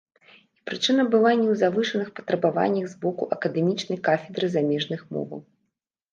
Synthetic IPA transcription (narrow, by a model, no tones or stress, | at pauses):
ipɾɨt͡ʂɨnɐbɨlˠanʲːɛwzavɨʂɐnɨxpɐ̥t̪ɾɐbava̰nʲːɐɣzbɔkuʔɐkɐd̪ɛmʲit͡ʂnɐjkafʲɛd̪ɾɨzamʲɛʐnɨxmɔ̰vɐ̰w